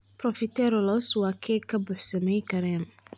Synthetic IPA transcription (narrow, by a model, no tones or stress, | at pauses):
pʰrɔfɪt̪ʰɛɾɔlɔswɑːkʰɛːkʰɐbʊħsɐmɛjkʰɐɾɛːn